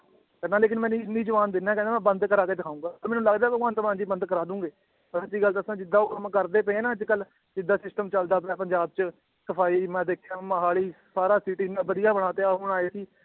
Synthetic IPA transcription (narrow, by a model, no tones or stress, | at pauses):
kɛd̪ãːleːk̬ɪnmɛ̃ːnĩːɪniːd͡ʒəʋaːnd̪ɪnːɛːkɛ̃ːnd̪aːmɛ̃ːbənd̪kəɾaːkeːd̪ɪkʰaːũːɡaːpəɾmɛ̃ːnũːləɡd̪aːbəãːnt̪əmãːd͡ʒiːbənd̪kəɾaːd̪ũːɡeː | pəɾt̪iːɡəlt̪aəsãːd͡ʒɪd̪aːʊkmkəɾd̪eːpɛẽːnãːəd͡ʒkəl | d͡ʒɪd̪aːsɪsʈəmt͡ʃəld̪aːp̬ɛ̃ːpəɲd͡ʒaːb̚t͡ʃ | səpʰaːiːmɛ̃ːd̪eːkʰjãːməɦaːliːsaːɾaːsiːʈinãːbəd̪ɪjaːbəɽ̃aːt̪eaːɦʊɳ̃aːeːsiː